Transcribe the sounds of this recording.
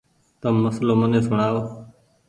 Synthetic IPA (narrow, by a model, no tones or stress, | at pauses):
t̪əmːəsloːmənẽːsʊɳaːoː